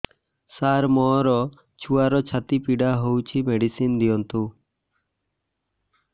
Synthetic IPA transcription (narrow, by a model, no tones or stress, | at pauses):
saɾmɔɾɔ | t͡ʃʰuaɾɔt͡ʃʰat̪ipiɖaɦowt͡ʃʰimeɖisind̪ijɔnt̪u